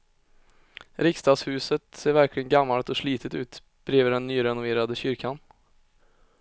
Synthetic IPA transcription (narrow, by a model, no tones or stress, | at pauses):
ɾɪkst̪ɑːshʉːsət̪seːɾvæɾkʰlɪɡənɡamːalt̪ɔʂɭiːt̪ʰət̪ʉ̰ːt̪ | b̥ɾiːvəɖɛnːyːɾɛnʊveːɾad̪əɕʏɾkʰan